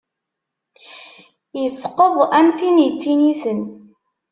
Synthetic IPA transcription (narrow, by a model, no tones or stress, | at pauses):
jəsqəðˤæmθinjət͡sːiniθən